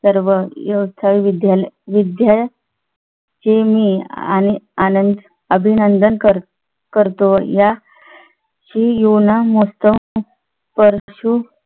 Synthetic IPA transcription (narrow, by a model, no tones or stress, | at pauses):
səɾʋəjəwt̪ʰaʋiʋid̪jalʋid̪ja | t͡ɕemiːa̰nianənd̪ | əbʱinənd̪ənkəɾ | kəɾt̪oja | ɕijunamost̪ə | pəɾɕu